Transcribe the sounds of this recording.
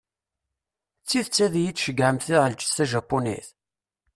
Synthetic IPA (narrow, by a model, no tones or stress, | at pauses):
t͡sːiðt͡sːæðjit͡sʃəɡʕəmθiʁəlt͡ʃːθæʒæpːunḭθ